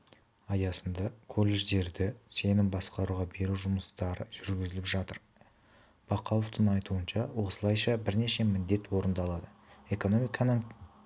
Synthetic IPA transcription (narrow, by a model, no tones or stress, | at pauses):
ɑjɑsənd̪ɑkʰo̞lːe̞ʒd̪e̞ɾd̪ɪse̞nɪnbɑsqɑɾuʁɑbe̞ɾuʒʊməst̪ɑɾəʒ̥ʏɾɡʲɪzɪlɪpʒɑt̪əɾ | b̥ɑqʰɑlˠoft̪əɴɑjt̪uənʃɑwo̞səlˠɑjʃɑbɪɾne̞ʃe̞mɪnd̪e̞t̪wo̞ɾənd̪ɑlˠɑd̪əe̞ko̞no̞mijkʰɑnəɴ